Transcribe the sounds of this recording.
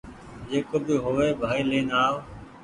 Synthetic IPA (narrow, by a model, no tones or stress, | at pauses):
d͡ʒeːkoːbɪɦoːʋeːbʱaːiːleːnaːo